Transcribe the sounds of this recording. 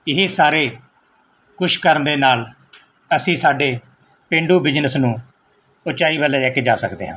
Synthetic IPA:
ɪɦeːsaːɾeː | kʊʃkəɾənd̪eːnaːl | əsĩːsaːɖeː | pẽːɳɖuːbɪd͡ʒnəsnũː | ʊt͡ʃaːiːbəlːeːɛːked͡ʒaːsəkd̪eːɦã̰ː

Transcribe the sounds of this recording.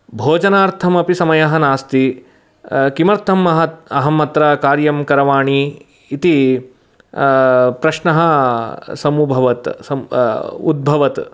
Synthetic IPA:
bʱoːd͡ʒɐnaːɾt̪ʰɐmɐpisɐmɐjɐɦɐ̆naːst̪i | kimɐɾt̪ʰɐmɐɦɐɐɦɐmɐt̪ɾɐkaːɾjɐmkɐɾɐʋaːɳiː | t̪i | pɾɐʃnɐɦɐ̆sɐmubʱɐʋɐt̪sɐ | ud̪̚bʱɐʋɐt̪

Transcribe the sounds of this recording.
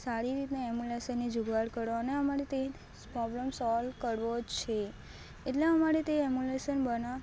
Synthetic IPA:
saɾiɾit̪neɛmjuleʃənːid͡ʒuɡʱaɽkəɾoəneəmaɾet̪e | pɾɔbləmsɔlkəɾʋot͡ʃʰeː | ʈleəmaɾet̪eɛmjuleʃənbəna

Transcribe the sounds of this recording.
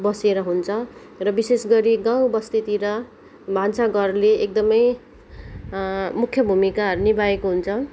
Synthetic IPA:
bʌseɾʌɦunt͡sʰʌ | rʌbisesɡʌɾiɡãw̃bʌst̪it̪iɾʌ | bʱansaɡʌrleek̚d̪ʌmʌj | mukʰjʌbʱumikaɦʌɾunibaekoɦunt͡sʰʌ

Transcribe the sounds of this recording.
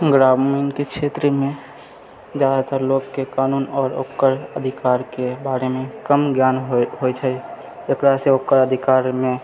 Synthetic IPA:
ɡɾaːbminkekʃʰeːt̪ɾəmẽ | d͡ʒaːd̪t̪əɾloːɡkekaːnuːnɔːɾo̰kːəɾəd̪ʱɪkaːɾkebaːɾemẽkəmɡjaːnɦot͡ʃʰɛ | ekɽaseokːəɾəd̪ʱɪkaːɾmẽ

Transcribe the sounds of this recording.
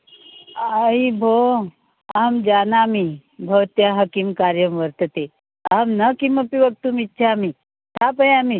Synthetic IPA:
aibʱo | amd͡ʒanaːmi | bʱəʋt̪jaɦəkimkaɾjəmʋəɾt̪ət̪e | amnəkiməpiʋək̚t̪uːmitːt͡ʃʰaami | t̪ʰapəjami

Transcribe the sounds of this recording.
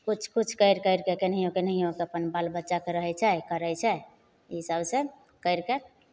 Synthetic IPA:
kut͡ʃʰkut͡ʃʰkəjɾkəjɾkekenəɦijõkenəɦijõkeəpənbalbətːʃakeɾəɦɛt͡ʃʰɛkəɾɛjt͡ʃʰɛ | isəbsẽ | kəjɾke

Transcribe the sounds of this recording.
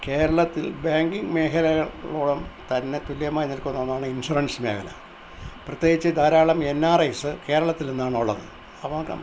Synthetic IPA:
ke̞ːɾɐɭɐt̪ːilbaːŋɡiŋɡɨme̞ːɦɐlɐɣɐɭɭoːɽɐmt̪ɐnːe̞t̪uljɐmaːjinːilkunːoːnːaːɳɨinsurɐnsmeːkɐlɐ̰ | prɨt̪jeːɡit͡ɕːɨd̪ʱaːɾaːɭɐme̞nːaːrɐjsɨke̞ːɾɐɭɐt̪ːilnenːaːɳoɭːɐ̰ðɨ | ɐʋɐkːɐ̰

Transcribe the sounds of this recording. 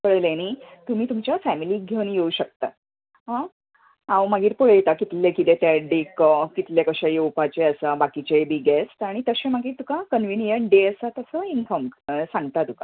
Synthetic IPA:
pəɭleniːt̪um̤iːt̪umt͡ɕjafæmiliːɡʱewnjeuɕək̚t̪a | ɦã | ãwmaɡiːɾpəɭəjt̪akit̪lekit̪et̪aɖikkit̪ljekəɕajeupat͡ɕeəsabakit͡ɕebiːɡesʈaɽ̃it̪əɕẽmaɡiːɾt̪ukakənʋinjəɳɖeəsat̪əsəinfɔmsãŋɡt̪at̪uka

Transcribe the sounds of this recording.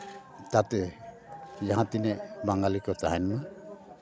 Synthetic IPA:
t̪at̪ɛ | d͡ʒaɦãt̪inɛbaŋɡalikɔt͡ʃaɦanma

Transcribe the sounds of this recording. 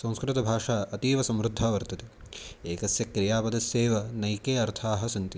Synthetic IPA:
sɐ̃w̃skɾɪt̪ɐbʱaːʂaːʔɐt̪iːʋɐsɐmɾud̪ʱːaːʋɐɾt̪ɐt̪ieːkɐsjɐkɾijaːpɐd̪ɐsjeːʋɐnɐjkeːɐɾt̪ʰaːɦɐ̆sɐnt̪i

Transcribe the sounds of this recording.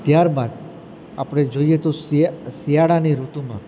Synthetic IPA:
t̪jaɾbad̪ | a̰pɽ̃ed͡ʒoiet̪ossijaɽaniɾuʈumã̰

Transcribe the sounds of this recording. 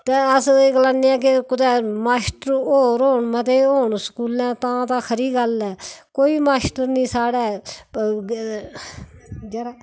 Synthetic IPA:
t̪eːəsɡlãːniːɛ̃ːk̬ekʊd̪ɛːmaːsʈəɾoːɾɦoːɳmət̪eːɦoːɳsə̥kuːlɛ̃ːt̪ãːt̪ãːkʰəɾiːɡəlɛːkoːiːmaːsʈəɾnĩːsaːɽɛː | d͡ʒeɾaː

